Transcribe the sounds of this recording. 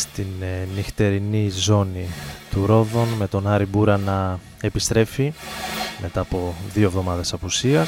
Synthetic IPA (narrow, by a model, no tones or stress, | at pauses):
st̪innixt̪e̞ɾinizo̞nit̪uɾo̞ðo̞nme̞t̪o̞nɐɾibuɾɐnɐ | e̞pist̪ɾe̞fi | mʔe̞t̪ɐːpo̞ðio̞evðo̞mɐðe̞sɐpusiɐ